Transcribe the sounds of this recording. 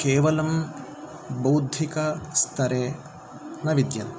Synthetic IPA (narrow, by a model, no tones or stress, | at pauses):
keːʋɐlɐm | bɐwd̪ʱikɐst̪ʰɐɾe | nɐʋid̪jɐn